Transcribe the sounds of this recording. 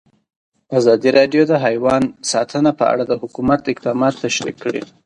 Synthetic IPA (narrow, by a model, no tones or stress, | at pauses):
azɑd̪iɾɑɖjod̪əɦajwɑnsɑt̪ʰənapəa̰ɽad̪əhʊkumat̪ɪq̚d̪ɑmɑt̪ːaʃɾḭkʰːəɽḭ